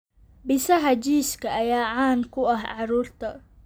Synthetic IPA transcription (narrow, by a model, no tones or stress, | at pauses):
bɪsɐɦɐd͡ʒiːskʰɐʔːjaːʕaːnkʰʊɐɦʕɑɾuːrt̪ʰɐ